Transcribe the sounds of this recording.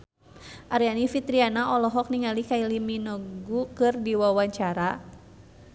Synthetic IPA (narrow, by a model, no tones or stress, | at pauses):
ʔaɾianifit̪ɾianaʔɔlɔɦɔk̚niŋalikailiminɔɡukɨrdiwawaɲt͡ʃaɾa